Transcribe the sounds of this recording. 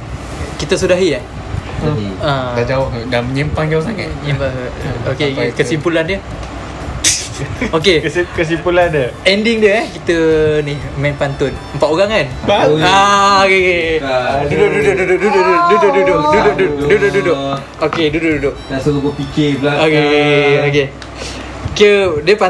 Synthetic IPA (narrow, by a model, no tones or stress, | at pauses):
kit̪əs̬udaɦia | aad͡ʒawaʔdaməɲimpaŋɡaws̬aŋa̰tɲipaokekəsimpulandiə | okekəs̬impulandəɛndiŋdəɛkit̪ənimɛ̃npant̪ʊnəmpaʔoɣaŋanaokeke | dudʊkdudʊkduduʔdudʊkdudʊʔdudʊdukdʊkdudʊkduduʔdʊkdudʊ | okedudʊʔ̚dudʊʔ̚asəlukopikeblaokeoke | kədiəpa